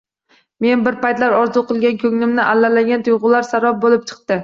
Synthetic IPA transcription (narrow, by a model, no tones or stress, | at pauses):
me̞nbɪɾpajt̪laɾɒɾzuqɨlˠɡʲankʲʰɵŋnɪmnɪʔalːalaɡʲant̪ʰʊjʁʊlaɾsaɾɒp̚bolɪp̚t͡ʃʰɨ̥qt̪ɪ